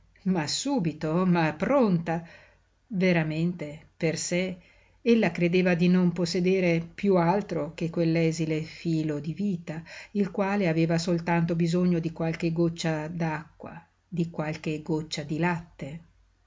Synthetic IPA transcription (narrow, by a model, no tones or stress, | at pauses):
masuːbit̪omapːɾont̪a | veɾament̪eperse | elːakɾed̪eːvad̪inomposːed̪eːɾepjualt̪ɾok̟ekwelːɛːzilefiːlod̪iviːt̪ailkwaːleaveːvasolt̪ant̪obizoɲːod̪ikwalk̟eɡot͡ʃːad̪akːwa̰ | d̪ikwalk̟eɡot͡ʃːad̪ilat̪ːe